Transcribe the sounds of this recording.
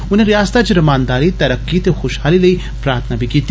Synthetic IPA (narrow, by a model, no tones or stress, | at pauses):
ʊnɦẽɾijaːst̪at͡ʃɾɐmaːnd̪aːɾit̪ɐɾɐkːit̪exʊʃhaːlilɐi | pɾaːɾt̪ʰnabʱikiːt̪